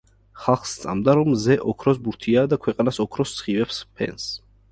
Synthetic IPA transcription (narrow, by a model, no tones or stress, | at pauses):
χalˠχst̪sʼa̰md̪aɾɔmzɛʔɔkʰɾɔs̬buɾt̪ʰiaːd̪akʰwɛqʼanasɔkʰɾɔst̪sʰχivɛpspʰɛ̰ns